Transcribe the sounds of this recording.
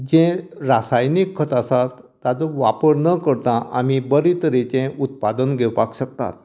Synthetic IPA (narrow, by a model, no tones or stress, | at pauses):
d͡ʑẽɾasajnikʰːət̪asat̪ːat͡sɔʋapəɾnəkəɾt̪ãʔa̰mibəɾit̪əɾet͡sẽut̪̚pad̪ənɡʱewpakɕək̚t̪a̰t̪